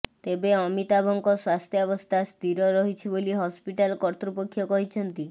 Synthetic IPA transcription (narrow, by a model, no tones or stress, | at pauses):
t̪ebeɔmit̪abʱɔŋkɔswast̪ʰjɔɔbɔst̪ʰast̪iɾɔɾɔɦit͡ʃʰiboliɦɔspiʈalɔkɔɾt̪ɾupokʰːjɔkɔɦit͡ʃʰɔnt̪i